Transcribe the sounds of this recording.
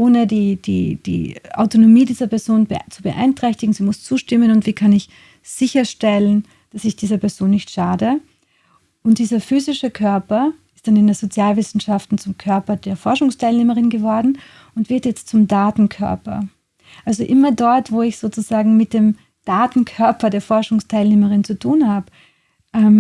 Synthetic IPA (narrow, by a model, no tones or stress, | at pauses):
ʔoːnədiːd̥ḭːd̥ḭːʔa̰ʊtonomiːdiːzɐpɛɐzoːnbt͡subəʔa̰ɪntʁ̥ɛçtɪɡŋ̩z̥iːmʊst͡suːʃtɪmənʊntv̥iːkʰanɪç | z̥ɪçɐʃtɛlən | d̥asɪçd̥iːzɐpʰɛɐz̥oːnːɪçtʃaːdə | ʔʊntd̥iːzɐfyːzɪʃəkʰœɐpɐɪstd̥anɪndeːɐzot͡sjaːlvɪsn̩ʃaftn̩t͡sʊmkʰœɐpɐdeːɐfɔɐʃʊŋstʰaɪlneːməʁɪnɡəvɔɐdn̩ | ʊntv̥ɪɐtjɛt͡stt͡sʊmdaːtn̩kʰœ̰ɐpɐ̰ | ʔalzoʔɪmɐdɔɐtv̥oːɪçz̥oːt͡suzaːɡŋ̩mɪt̚d̥eːm | d̥aːtn̩kʰœɐpɐdeːɐfɔɐʃʊŋstʰaɪlneːməʁɪnt͡sutʰuːnhaːbə | ʔɛm